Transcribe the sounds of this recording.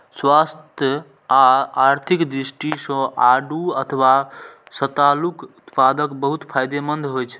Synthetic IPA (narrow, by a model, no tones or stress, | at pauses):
swast̪ʰjə | aaɾt̪ʰikd̪ɾisʈisə̃ʔaɖuət̪ʰəʋasət̪alukut̪pad̪əkbəɦut̪pʰajd̪emənd̪ʱɦojt͡ʃʰɛ